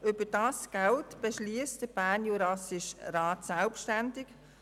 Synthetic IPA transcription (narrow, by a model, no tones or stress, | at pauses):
ʏbədɑːsɡ̥altb̥ɛʃliːstd̥əb̥æːnjuɾɑsɪʃrɑːtsɛlpʃtændɪk